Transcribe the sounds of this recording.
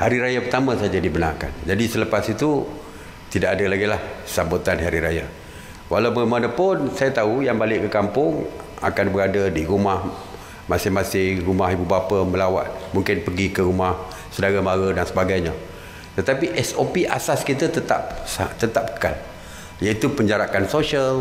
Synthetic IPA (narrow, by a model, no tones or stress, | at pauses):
haɾiɾajapərt̪amãsad͡ʒadibənarka̰nd͡ʒadisələpasit̪u | t̪idaʔadalaɡilahsabut̪anɦaɾiɾaja | wa̰ɦlawbəɾəmanəpʊnsajat̪aujaŋbalɪʔkəkampʊŋ | a̰kanbəɾadadiɾumah | masɪhmasɪhrumaɦibubapəmə̃lawa̰t̪̚muŋkɪnpəɡikəɾumah | sədaɾamaɾədansəbaɡajɲa | t̪ət̪apiʔɛsopiʔa̰saskit̪ət̪ət̪a̰p̚at̪ət̪ap̚ə̥ka̰l | jait̪upəɲd͡ʒaɾaʔansoʃiəl